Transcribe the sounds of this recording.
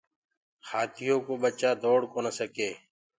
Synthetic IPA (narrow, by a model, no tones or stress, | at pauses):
xaːt̪ʰɪjõːkoːɓət͡ʃaːd̪oːɽkoːnəsəkeː